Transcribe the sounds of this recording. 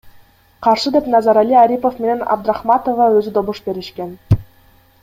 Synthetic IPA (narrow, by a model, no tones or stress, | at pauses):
qɑrʂɯd̪ʲepʲnɑzɑɾalʲːiaɾʲipofmʲenʲenʲɑ̰b̚d̪rɑχmɑt̪ovɑøzʲɘd̪obuʂbʲeɾʲɘ̆ɕkʲenʲ